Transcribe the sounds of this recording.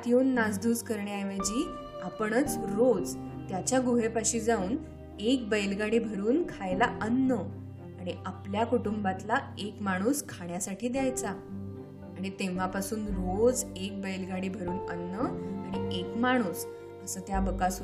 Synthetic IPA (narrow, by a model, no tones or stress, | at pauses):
t̪jonːad͡zd̪ʱuːskəɾɳeajʋajd͡ʑiː | apəɳət͡sɾod͡zt̪jat͡ɕjaɡuɦepaɕiːd͡zauːn | ek̚bəjlɡaɽiːbʱəɾuːnkʰajlaʔənːə | aɽ̃iapljakuʈumbat̪laekmaɽ̃uːskʰaɳjasaʈʰiːd̪jajt͡sa | aɽ̃it̪ẽʋ̤apasuːnɾod͡zek̚bəjlɡaɽiːbʱəɾuːnənːəaɽ̃iekmaɽ̃uːs | əsəːt̪jabəkas